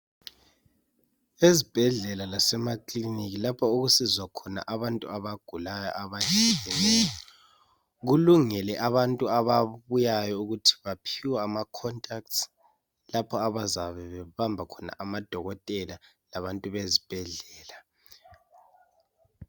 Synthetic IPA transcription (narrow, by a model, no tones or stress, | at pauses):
ezib̥ʱɛɮɛlalasɛmakʼliniɣilapʰɔuɣusizwakʰɔna̰ʔaβantʼṵaβaɡ̥ʱulajɔ̰ʔaβat͡ʃʼilɛnɛjɔ | ɣuluŋɛlɛʔaβantʼuaβaβujajɔuɣutʰi̥βapʰiwaːmakʰɔntʼak̚t | lapʰɔaβazaβɛβɛβambʱakʰɔna̰ʔamad̥ʱɔɣɔtʼɛla | laβantʼuβezib̥ʱɛɮɛːla